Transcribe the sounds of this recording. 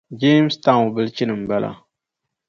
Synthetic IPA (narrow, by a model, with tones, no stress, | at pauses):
d͡ʒe˦m˦sta˦ŋ˨bɨ˦lt͡ʃi˦nɨ˨m̩˨ba˦lʔa̰˨